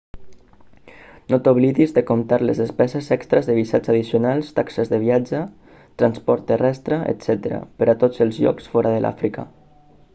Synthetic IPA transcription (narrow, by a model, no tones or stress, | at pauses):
not̪uβliðizðəkumt̪aɾlḛzəspɛzezɛkst̪ɾəzðəβ̞isad͡ʒaðisiunalˠst̪aksəzðəβiad͡ʒə | t̪ɾanspɔɾt̪ːərɛst̪ɾəʔḛt̪sɛt̪əɾə̰pəɾat̪ot͡səlˠzʎɔ̰ksfɔɾʔəðəlʔa̰fɾika̰